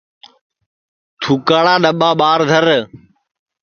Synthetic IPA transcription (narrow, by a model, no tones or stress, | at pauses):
t̪ʰuːkaːɽãːɗəɓãːɓaːɾd̪ʱəɾ